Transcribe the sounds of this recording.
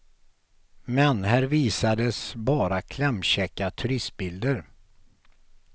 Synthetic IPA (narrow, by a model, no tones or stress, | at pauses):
mɛnhæːɾviːsad̪əsbɑːɾakʰlɛmɕɛkːat̪ʰɵɾɪst̪̚bɪld̪əɾ